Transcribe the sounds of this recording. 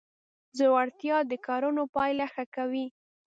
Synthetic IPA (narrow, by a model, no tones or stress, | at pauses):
zowaɽt̪jɑd̪əkɑɾunopɑjlaxakawi